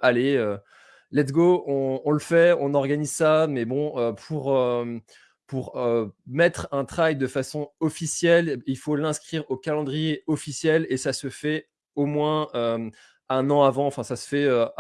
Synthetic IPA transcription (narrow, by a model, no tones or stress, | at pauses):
aleø | lɛt̪ɡoɔ̃ɔ̃ləfɛɔ̃nɔʁɡanizsamɛbɔ̃øpʰuʁø | puʁømɛt̪χɛ̃t̪χajd̪əfasɔ̃ɔfisjɛlilfolɛ̃skχiʁokalɑ̃d̪ʁijeɔfisjɛlesasəfɛ | omwɛ̃ø | ɛ̃nɑ̃avɑ̃ɑ̃fɛ̃sasə̥fɛø